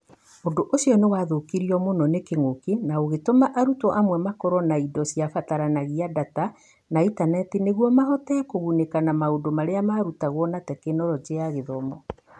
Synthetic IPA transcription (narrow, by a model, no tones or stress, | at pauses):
ondoʔosiɔnewaːðokiɾiɔmonɔnekeŋokenaoɣetomaʔaɾutɔʔamwɛmakɔɾɔnaidɔsiafataɾanaɣiadata | naitanɛtineɣwɔmaɦɔtɛkoɣunekanamaodomaɾeamaːɾutaɣwɔnatɛkenɔɾɔd͡ʒeaɣeðɔmɔ